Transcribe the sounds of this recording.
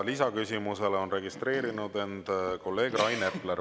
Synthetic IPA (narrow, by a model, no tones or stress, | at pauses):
lisɑkysʲimuse̞leo̞nre̞ɡ̥ist̪re̞ːɾinud̪e̞nd̪̥ko̞lːe̞ːɡ̥rɑjnepːleɾ